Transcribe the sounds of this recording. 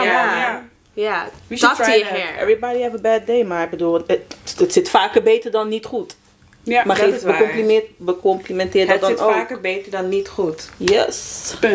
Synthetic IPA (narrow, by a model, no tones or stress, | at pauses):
a | ja | ɛɛ̰vɹibɔɾihɛvəbɛd̚deɪmaɪk̚bədulˠəətsɪtfaːkəbeːtəɹdɔnːitχut | maebəkɔ̃mplimɪt̚bəkɔmplimɛ̃ntɪːtdɔdɔnoakəbeːtədɔnːitχutjɛs